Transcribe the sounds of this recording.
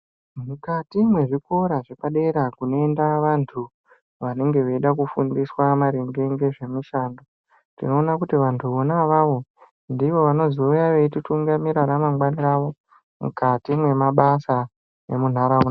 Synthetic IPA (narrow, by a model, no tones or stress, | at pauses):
mukatimwe̞ʐiko̞ɾaʐepaɗe̞ɾakuno̞endaʋantʰu | ʋane̞ŋɡe̞ʋeiɗakufundiswamaɾeŋɡe̞ŋɡe̞ʐe̞muʃaːndo | tino̞ːnakutiʋantʰuʋo̞naʋaʋo̞ | ndiʋo̞ʋano̞zioujaʋetituŋɡamiɾaɾamaŋɡwaniraʋo̞ | mṵkatimwe̞maɓasa | ḛmun̤aɾauna